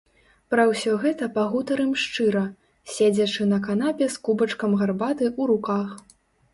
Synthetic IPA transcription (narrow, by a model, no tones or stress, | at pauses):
pɾɐwsʲɔɣɛt̪ɐpɐɣut̪ɐɾɨmʂt͡ʂɨɾɐ | sʲɛd͡zʲɐt͡ʂɨnɐkanapʲɛskubɐt͡ʂkɐmɣarbat̪ɨuɾukax